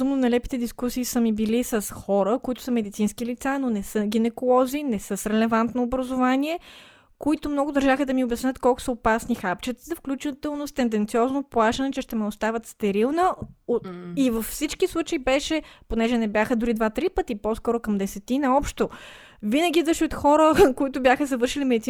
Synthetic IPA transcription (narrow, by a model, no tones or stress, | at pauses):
zumnonɐjlɛpi̥t̪ɛd̪iskusiːsəmibilisəsxɔɾəkoit̪ʊ̥səmɛd̪it̪sinskilit̪sanonɛsɤɡ̟ʲinɛkolˠɔzinɛsəsɾɛlɛvant̪noːbɾɐzʊvaniɛ | koit̪ʊmnɔɡʊd̪ɐɾʒaxəd̪ɐmiʊbjɐsnʲət̪kɔlˠkʊ̥səopasnixapt͡ʃɛt̪zəfklʲut͡ʃit̪ɛlˠnost̪ɛnd̪ɛnt̪siɔznoplˠaʃɐnɛt͡ʃɛʃt̪ɛmɛʊst̪avət̪st̪ɛɾilˠnəoivəfːsit͡ʃkislˠut͡ʃəibɛʃɛponɛʒɛnɛbjaxəd̪ʊɾid̪vat̪ɾipət̪ipɔskɔɾokɐmd̪ɛsɛt̪inɐɔpʃt̪o | vinəɡʲid̪əʃot̪xɔɾəkoit̪ʊbjaxəzɐvɤɾʃilimɛd̪it̪i